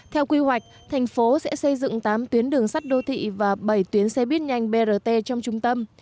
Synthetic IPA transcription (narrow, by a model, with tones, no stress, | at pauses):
t̪ʰɛ˧wkwi˧ɦwa˨˩jk̟̚t̪ʰa˨˩jŋ̟fo˨˦sɛ̰˧˥sə˧jzɨ̰˧˨ŋt̪aː˨˦mt̪wi˨˦ənɗɨ˨˩əŋsa˦˥t̚ɗo˧t̪ʰḭ˧˨vaː˨˩ɓə˧˩jt̪wi˨˦ənsɛ̰˧˥ɓi˦˥ət̚ɲa˧jŋ̟ɓe˧zəː˧˩t̪e˧t͡ɕɔ˧wŋ͡mt͡ɕʊ˧ŋ͡mt̪ə˧m